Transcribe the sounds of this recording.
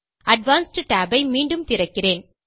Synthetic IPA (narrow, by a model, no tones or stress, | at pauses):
ʔɐɖʋaːnsʈʈaːbɐɪmiːɳɖɯmt̪ɪɾɐkːɪreːn